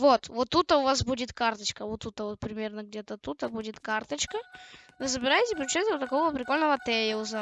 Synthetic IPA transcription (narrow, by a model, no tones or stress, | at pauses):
vot̪vot̪ːut̪ːəʊvasbudʲɪt̪kart̪ət͡ɕkəvot̪ːut̪ːəvot̪̚pɾʲɪmʲe̞rnəɡdʲet̪ət̪ut̪əbudʲɪt̪kart̪ət͡ɕkə | vɨzəbʲɪɾajɪtʲɪpɾʲɪʊt͡ɕɛt̪ʲʊt̪ɐko̞vəpɾʲɪkolʲnəvət̪ɛjɪʊzə